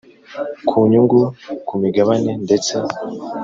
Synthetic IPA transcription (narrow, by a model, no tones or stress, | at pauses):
kʰuɲuŋɡukumiɡaβanendet͡se